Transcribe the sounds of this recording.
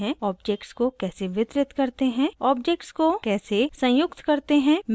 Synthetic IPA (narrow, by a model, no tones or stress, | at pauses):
ɛ̃ɔːbd͡ʒeːkʈskokɛːseʋɪt̪ɾɪt̪kɐɾt̪eɦɛ̃ɔːb̚d͡ʒeːk̚ʈskokɛːsesɐ̃jʊkt̪kɐɾt̪eɦɛ̃ːm